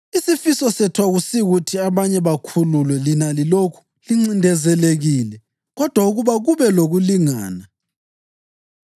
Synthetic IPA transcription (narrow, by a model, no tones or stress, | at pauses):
isifisɔsɛtʰwaɣusiɣutʰiaβaɲɛβakʰululwɛlinalilokʰu̥ | liŋ͡ǀindʱɛzɛleɣiːlɛ | ɣɔd̥ʱwauɣuβaɣuβɛloɣuliŋa̰ːna